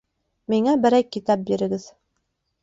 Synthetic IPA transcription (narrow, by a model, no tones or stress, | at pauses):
miŋæbɘ̆ɾæjkit̪ɑp̚biɾɘ̆ɡɘð